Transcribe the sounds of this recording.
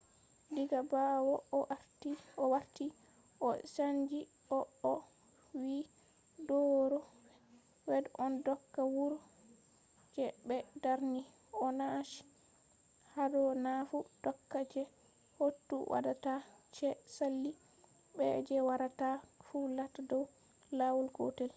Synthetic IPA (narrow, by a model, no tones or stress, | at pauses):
diɡabawɔʔaɾtiɔwaɾti | ʔɔsaɲd͡ʒi | ɔɔ | wi | dɔɾɔ | wɛdʔɔndɔkːawuɾ | d͡ʒɛbɛdaɾni | ɔnaʃi̥ | hadɔnafud̥ɔkːad͡ʒɛ | hotːṵwʔa̰datat͡ʃɛsalːi | bɛ̰d͡ʒɛwaɾatafulatadɔw | lawɔlɡo̰tɛl